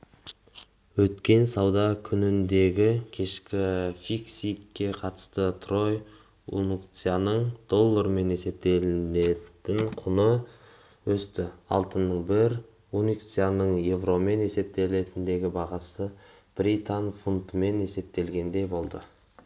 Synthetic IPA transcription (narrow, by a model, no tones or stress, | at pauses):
wɵt̪kʲe̞nsɑwd̪ɑkʲʰʏnɪnd̪e̞ɡʲɪkʲʰe̞ʃkʲɪfiksikːe̞qʰɑt̪ə̥st̪ət̪ʰro̞j | ṵnukt̪sijanəɴd̪̥o̞lˠːəɾme̞ne̞se̞p̚t̪e̞lne̞t̪ɪɴqʰʊnə | wɵst̪ɪɑ̰lˠt̪ənːəɴbɪɾ | unukt̪sijanəɴje̞vro̞me̞ne̞se̞p̚t̪e̞le̞t̪ɪnd̪e̞ɡʲɪbɑʁɑsə | b̥ɾʲit̪anfunt̪əme̞ne̞se̞p̚t̪e̞lɡʲe̞nd̪ejbo̞lˠd̪ə